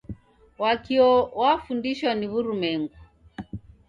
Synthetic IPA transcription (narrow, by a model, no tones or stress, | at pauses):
wakiɔwafundiʃwaniβuɾumɛŋɡu